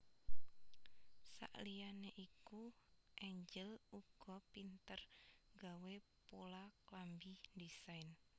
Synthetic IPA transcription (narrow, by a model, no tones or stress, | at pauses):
sa̰ʔlijaneʔikuʔɛɲd͡ʒəluɡ̥ɔ̤pint̪ərɡawe | polaklambindisajn